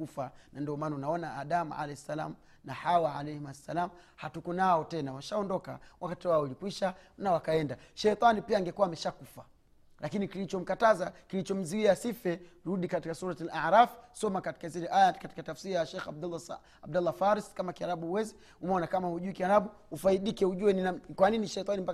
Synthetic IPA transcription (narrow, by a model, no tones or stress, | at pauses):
kufanandɔɔmaːnaunaɔnaaɗamʕa̰lɛɛsala̰mu | nahawaʕalɛhimasːalamuhatukɔnaɔtɛnawaʃaɔndɔka̰wakatiwaɔlikwiʃanawakaɛndaʃɛjt̪ˤanipiaːŋɡɛkuwaːmɛʃakufa | lakinikilit͡ʃɔm̩katazakilit͡ʃɔm̩ziiasifɛɾuɗikatikasuɾatilaɾafi̥sɔmakati̥kazilɛʔajakati̥katafsiɾajaʃɛxab̚dalː | ab̚dalːafaɾiskamakiaɾaɓuwɛzi | umɔnakamahuʄuikiaɾaɓuufaiɗikɛuʄuwɛninakwaniniʃɛt̪ˤanimba